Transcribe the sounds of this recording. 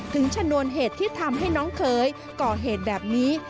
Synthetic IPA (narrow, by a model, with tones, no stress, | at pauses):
t̪ʰɯ˨˦ŋt͡ɕʰa˧nu˧ənɦeː˨˩t̪ʰːiː˥˩t̪ʰa˧mɦa˥˩jnɔː˨˦˥nkʰɤː˨˦j | kɔː˧˩ɦeː˨˩t̪̚bɛː˨˩p̚niː˦˥